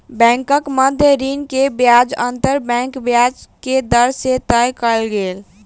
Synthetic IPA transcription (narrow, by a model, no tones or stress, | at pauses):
bɛ̃ŋkəkməd̪ʱjəɾinkebjad͡ʒənt̪əɾbɛ̃ŋkbjad͡ʒked̪əɾset̪əjkəlɡel